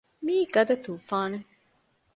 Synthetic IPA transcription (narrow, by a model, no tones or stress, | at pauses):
miːɡɐd̪ɐt̪uːfaːne